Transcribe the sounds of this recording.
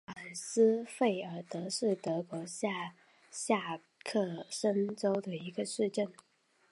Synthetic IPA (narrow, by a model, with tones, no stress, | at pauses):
a˨˩sɹ̩˥fe˥˩ɪə˞˧˥t̪ɤ˧˥ʂɻ̩˥˩t̪ɤ˧˥kwɔ˧˥ɕa˥˧ | ɕja˥˧ | kʰɤ˥˩ʂə˥nʈ͡ʂo˥ʊd̪ə˨i˧˥ɡə˧ʂɻ̩˥˧ʈ͡ʂə˥˩n